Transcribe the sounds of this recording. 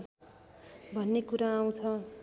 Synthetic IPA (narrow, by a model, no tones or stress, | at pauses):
bʱʌnːekuɾaːw̃t͡sʰʌ